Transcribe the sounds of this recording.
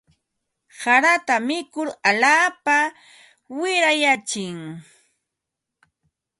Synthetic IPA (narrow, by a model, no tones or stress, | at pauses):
saɾat̪amɪkʊɾaʎaːpa | wɪɾajat͡ʃɪŋ